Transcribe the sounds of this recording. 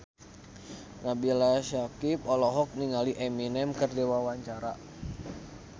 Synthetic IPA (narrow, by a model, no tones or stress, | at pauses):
nabilaʃakip̚ɔlɔɦɔk̚niŋaliʔɛminɛmkərdewawaɲt͡ʃaɾa